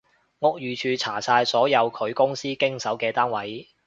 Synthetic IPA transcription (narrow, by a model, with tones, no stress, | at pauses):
ŋʊ˨k̚jyː˨t͡ʃʰyː˨t͡sʰaː˨˩saː˧jsɔː˨˥jɐ˨˧wkʰɵ˨˧ɥkʊ˥ŋsiː˥kɪ˥ŋsɐ˨˥wkɛː˧t̪aː˥nwɐ˨˥j